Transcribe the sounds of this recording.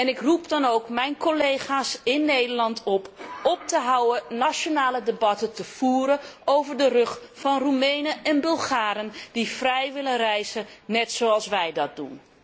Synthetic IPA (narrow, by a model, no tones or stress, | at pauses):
ɛnɪkrupdɑnowkmɛjnkolejχaːsɪnːejdəɹlɑntɔpɔp̚təɦawənat͡ʃonaːlədebɑtətəfuːɾəowvəɹdərɵχ | fɑnrumejnəʔɛnbɵlˠχaːɾəndifrɛjʋɪlənrɛjzənɛtsowɑlˠsʋɛjdɑt̚d̥ṵn